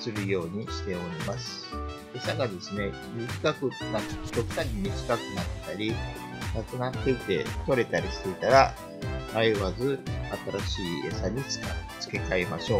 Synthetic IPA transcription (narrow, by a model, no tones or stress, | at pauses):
sɨɾɯ̟jo̞ːɲ̟iɕi̥t̪e̞o̞ɾʲimasɨ̥ | esaɡad̪e̞sɨne̞ | mʲikkːakɯ̟nakt̪okɯ̟̥t̪aɡʲimʲit͡ɕi̥kakɯ̟nat̪ːe̥t̪aɾʲi | nakɯnat̪ːe̞it̪e̞̰t̪o̞ɾe̞t̪aɾʲisɨ̥eit̪aɾa | aiβazɨat̪aɾaɕiːesaɲ̟it͡sɨ̥kat͡sɨ̥ke̞kae̞maɕo̞ː